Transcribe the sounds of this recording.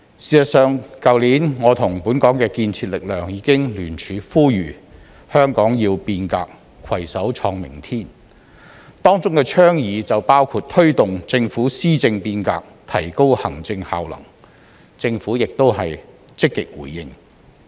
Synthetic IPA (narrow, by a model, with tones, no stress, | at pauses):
siː˨sɐ˨t̚sœː˨˧ŋkɐ˨wliː˨˥nŋɔː˨˧t̪ʰʊ˨˩ŋpuː˨˥nkɔː˨˥ŋkɛː˧kiː˧nt͡sʰiː˧t̚lɪ˨k̚lœː˨ŋjiː˨˥kɪ˥ŋlyː˨˩nt͡ʃʰyː˨˧fuː˥jyː˨˩ | hœː˥ŋkɔː˨˥ŋjiː˧wpiː˧nka̰ː˧k̚ | kʰwɐ˨˩jsɐ˨˥wt͡ʃʰɔː˧ŋmɪ̰˨˩ŋt̪ʰiː˥n | t̪ɔː˥ŋt͡sʊ˥ŋkɛː˧t͡ʃʰœː˥ŋjiː˨˧t͡sɐ˨wpaː˥wkʰuː˧t̚t̪ʰɵ˥ɥt̪ʊ˨ŋt͡sɪ˧ŋfuː˨˥siː˥t͡sɪ˧ŋpiː˧nka̰ː˧k̚t̪ʰɐ˨˩jko˥whɐ˨˩ŋt͡sɪ˧ŋha̰ː˨wlɐ̰˨˩ŋ | t͡sɪ˧ŋfu˨˥jɪ˨k̚t̪o˥whɐ˨j | t͡sɪ˥kːɪ˨k̚wṵː˨˩jːɪ˧ŋ